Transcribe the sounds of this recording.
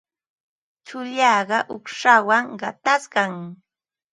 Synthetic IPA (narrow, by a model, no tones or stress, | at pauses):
t͡ʃʊʎɑːɢɑʔʊχʂawaŋɢɑt̪asɢɑŋ